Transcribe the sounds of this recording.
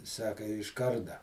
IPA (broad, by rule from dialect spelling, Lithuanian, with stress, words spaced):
ˈsɑːkɐ ɪʃ ˈkɐrdɐ